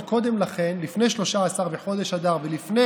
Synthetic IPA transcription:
ko̞d̪e̞mlaχe̞nlifne̞jʃlo̞ʃaːsaʁbeħo̞d̪e̞ʃad̪aʁvelifne

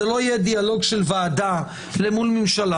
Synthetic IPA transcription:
elo̞ijed̪ialo̞ɡʃelvaːd̪a | lemulmimʃala

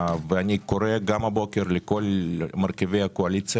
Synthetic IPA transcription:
veanikoɾeɡamhabo̞keɾlekolmaɾkevejakoalit͡s

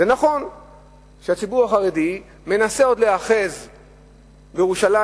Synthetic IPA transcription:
zenaχo̞n | ʃeat͡sibuʁaχaʁe̞di | me̞naseo̞d̪le̞aχe̞z | bejeuʃala

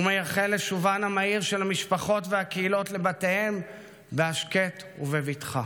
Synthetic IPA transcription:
umejaχele̞ʃuvanhamaiʁʃelhamiʃpaχo̞tveakeilo̞tle̞bate̞he̞m | beaʃketuvevitχa̰

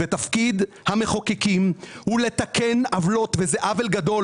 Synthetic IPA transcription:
et̪afkid̪ | hame̞χo̞kekimhule̞t̪akenavlo̞t̪vezeʔavelɡad̪o̞

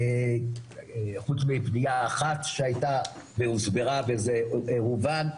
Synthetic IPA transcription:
e | χut͡smipniaːχat̪ʃeajta | veuzbeʁavezeeʁuvan

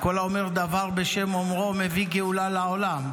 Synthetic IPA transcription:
ko̞laome̞ʁd̪avaʁbe̞ʃe̞momʁo̞me̞viɡeulalaolam

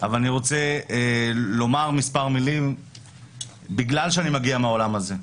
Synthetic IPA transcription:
avalaniʁo̞t͡se | lo̞maʁmispaʁmilim | biɡlalʃeanimaɡiameaolamaze̞

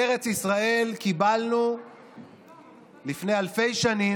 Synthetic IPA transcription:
eʁet͡sisʁae̞lkibalnu | lifne̞jalfe̞jʃani

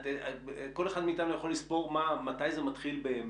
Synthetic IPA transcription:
teko̞leχad̪miːt̪anujaχo̞lispo̞ʁmamat̪ajzemat̪χilbe

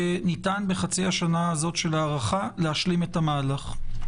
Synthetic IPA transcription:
enitanbeχat͡siaʃanaːzo̞tʃe̞laːʁaχalehaʃlime̞tamaːlaχ

